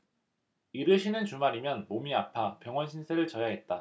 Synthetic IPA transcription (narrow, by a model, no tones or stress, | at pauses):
iɾɯɭɕʰinɯnt͡ɕumaɾimjʌnmomiapʰapjʌŋwʌnɕʰinsʰeɾɯɭt͡ɕʌjaɦe̞t̚t͈a